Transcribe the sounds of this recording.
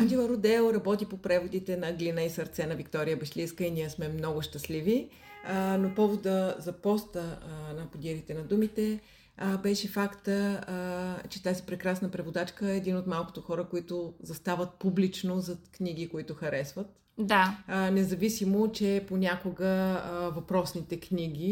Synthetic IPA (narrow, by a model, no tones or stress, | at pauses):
ad̪ilˠɐɾod̪ɛlˠɾɐbɔt̪ipopɾɛvod̪it̪ɛnɐɡlinəisɐɾt̪sɛnɐvikt̪ɔɾijəbɛʃliskəiniɛsmɛmnɔɡʊʃt̪ɐslivi | ənopɔvod̪əzɐpɔst̪ənɐpod̪iɾit̪ɛnɐd̪umit̪ɛ | bɛʃɛfakt̪ə | t͡ʃɛt̪azipɾɛkɾasnəpɾɛvod̪at͡ʃkəɛɛd̪inot̪malˠko̥t̪oxɔɾəkoit̪ʊzɐst̪avət̪̚publit͡ʃnozɐknʲiɡ̟ikoit̪ʊxɐɾɛsvət̪ | d̪anɛzɐvisimot͡ʃɛponʲakoɡəvɐpɾɔsnit̪ɛknʲiɡʲi